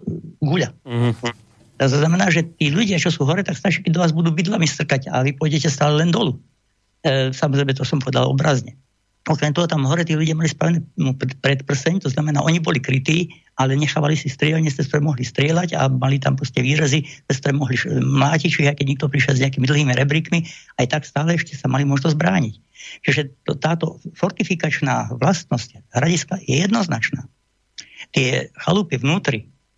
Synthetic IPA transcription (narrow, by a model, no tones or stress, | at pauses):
ɡuʎa | t̪ɔznamɛnaːʒɛt̪iːʎuɟɪat͡ʃɔsuːɦɔɾɛt̪akst̪at͡ʃakɛd̪ɔʋaːzbud̪uːbid̪lamist̪r̩kaɟa̰ʋipɔjɟɛcɛst̪aːlɛlɛnd̪ɔluː | samɔzɾɛɪjmɛt̪ɔsɔmpɔʋɛd̪alɔ̰bɾazɲɛ | ɔkɾɛmt̪ɔɦɔt̪amɦɔɾɛt̪iːʎuɟɪamalispɾaʋɛnɛːuppɾɛt̪pr̩sɛɲt̪ɔznamɛnaːʔɔɲibɔlikɾit̪iː | ʔalɛɲɛxaːʋalisist̪ɾɪɛlɲɛst̪ɛskt̪ɔɾɛːmɔɦlist̪ɾɪɛlaɟa̰malit̪ampɾɔsacɛʋiːɾazit̪ɛskt̪ɔɾɛːmɔɦlimlaːcict͡ʃiʒɛajkɛɟɲɛk̚t̪ɔpɾiʃjɛlzɲɛak̬iːmid̪l̩ɦiːmiɾɛbɾikmiajt̪akst̪aːlɛɛʃcɛsamalimʊɔʒnɔzbɾaːɲic | t͡ʃiʒɛt̪ɔt̪aːt̪ɔfɔɾt̪ifikat͡ʃnaːʋlast̪nɔscɦɾaɟiskajɛjɛd̪nɔznat͡ʃna̰ː | t̪ɪɛxa̰lupiʋnuːt̪ɾi